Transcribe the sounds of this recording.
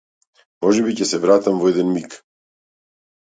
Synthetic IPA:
mɔʒɛbicɛsɛvɾat̪amvɔɛd̪ɛnmik

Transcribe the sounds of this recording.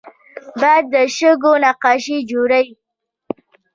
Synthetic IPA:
bajd̪ːəʃəɡonaqɑʃid͡ʒoɾaji

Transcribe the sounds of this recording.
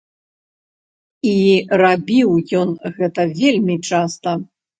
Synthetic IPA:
irabʲiwjɔnɣɛt̪ɐvʲelʲmʲit͡ʂast̪ɐ

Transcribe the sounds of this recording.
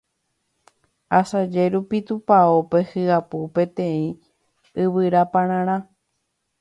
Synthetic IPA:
asad͡ʒeɾupit̪upaope̞hɨapupẽ̞t̪ẽ̞ĩ | ɨβɨɾapãɾ̃ãɾ̃ã

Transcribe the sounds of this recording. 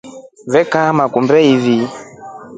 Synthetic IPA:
vɛkamakumbɛivi

